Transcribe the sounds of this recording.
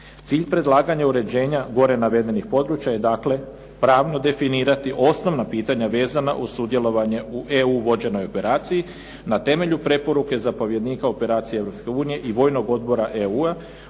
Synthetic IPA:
t̪siːʎpɾe̞d̪lˠaːɡaɲauɾe̞d͡ʑe̞ːɲaɡo̞ɾe̞naʋe̞d̪e̞nixpo̞d̪ɾuːt͡ɕjaje̞d̪aːkle̞ | pɾaːʋno̞d̪e̞finiːɾat̪iʔo̞sno̞ʋnapiːt̪aɲaʋe̞ːzana̰ʔusud̪je̞lo̞ʋaɲe̞uʔeuʋo̞d͡ʑe̞no̞jo̞pe̞ɾaːt̪siji | nat̪e̞me̞ʎupɾe̞po̞ɾuke̞zapo̞ʋje̞d̪niːkao̞pe̞ɾaːt̪sijee̞ʋɾo̞pske̞uːnije̞ʔiʋo̞ːjno̞ɡo̞d̪̚bo̞ɾaʔeua

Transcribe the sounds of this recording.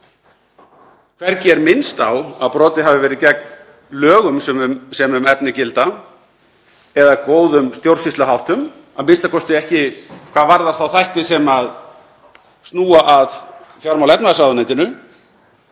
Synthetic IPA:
kʰvɛɾcɛɾmɪnst̪awaðpɾɔːt̪ɪɦavɪvɛːɾɪðcɛk̚n | lœːɣʏmsɛmsɛmʏmɛpnɪcɪlt̪a | ɛðakoːwðʏmst̪jowɾ̥sist̪aɦawht̪ʏm | aðmɪnst̪akʰɔst̪ɪɛhcɪkʰvaːðvaɾðḁθawθajht̪ɪsɛmað | st̪nuːaʔað | fjawɾmawlɛpnaasaðʏnajt̪ɪnʏ

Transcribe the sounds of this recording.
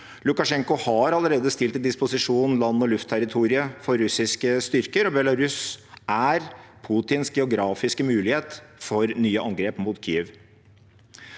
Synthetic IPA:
lʊkɑʂɛŋkʊhɑɾɑləɾeːd̪əst̪ɪlt̪d̪ɪspʊsɪʂuːnn̩lɑnːɔlʉft̪ʰæɾɪt̪ʰuːɾɪəfɔɾɾʉsɪskəst̪ʏɾkəɾɔbjɛlɑɾʉsæɾpʰut̪ɪnsɡɛʊɡɾɑːfɪskəmʉːlɪheːt̪fɔɾnyːəʔɑŋɡɾeːpmuːt̪kʰḭːɛʋ

